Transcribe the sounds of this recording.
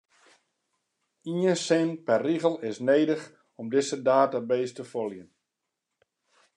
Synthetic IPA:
iənsɪnpɛrːiɣəlˠɪsneːdəx | ɔmdɪsədaːtabeːstəfolˠjən

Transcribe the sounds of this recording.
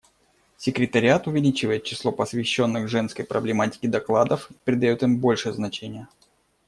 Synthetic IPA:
sʲɪkɾʲɪt̪əɾʲɪat̪ʊvʲɪlʲit͡ɕɪvəjɪt̪̚t͡ɕːɪ̥slˠo̞pəsvʲɪɕːo̞nːɨxʐɛnskəjpɾʔəblʲɪmatʲɪ̥kʲɪd̪ɐklˠad̪əfi̥pɾʲɪd̪ɐjot̪ɨmbo̞lʲʂɨəznɐt͡ɕenʲɪjə

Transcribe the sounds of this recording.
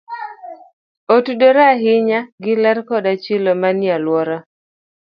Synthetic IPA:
otudoɾaɦɪɲaɡɪlɛrkɔdat͡ʃɪlomanjalwɔɾa

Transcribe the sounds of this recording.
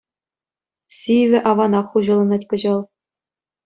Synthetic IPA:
sʲiʋʲɘ̆ʔɑʋɑnɑχːuʑɤ̆lˠɤ̆nɑtʲkɤ̆ʑɤ̆lˠ

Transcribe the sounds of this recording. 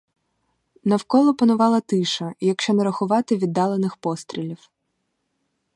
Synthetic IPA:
nɐwkɔlˠɔpɐnʊʋɑlˠɐt̪ɪʃɐjɐkʃt͡ʃɔnɐɾɐxʊʋɑt̪ɪʋʲid̪ːɑlˠenɪxpɔst̪ɾʲilʲiw

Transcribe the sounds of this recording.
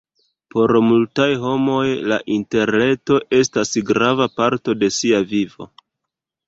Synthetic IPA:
po̞ɾmultajɦo̞mo̞jla̰ʔinte̞ɾne̞to̞ʔe̞stasɡɾavapaɾto̞de̞siavivo̞̰

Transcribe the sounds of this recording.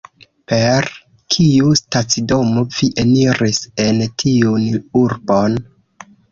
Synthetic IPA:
pe̞ɾ | kʰiustat͡sido̞moviʔeniɾisentʰiunuɾbon

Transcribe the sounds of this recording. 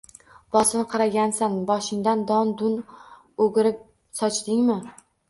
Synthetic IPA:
b̥ɒsɪnqʰɑɾaɡʲansanbɒʃɪŋd̪and̪ɒnd̪ʊn | oɡʲɪɾɪp̚ | sɒt͡ʃd̪ɪŋmɪ

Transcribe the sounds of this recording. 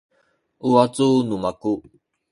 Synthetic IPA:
ʔuat͡sunumaku

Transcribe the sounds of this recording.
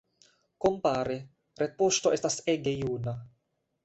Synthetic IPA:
kompaːɾe | ɾepost̪oest̪aseɡejuːna

